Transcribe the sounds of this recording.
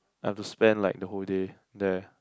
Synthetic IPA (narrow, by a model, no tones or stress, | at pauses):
aɛftuspɛ̃nlaɪk̚dəɦolde | dɛ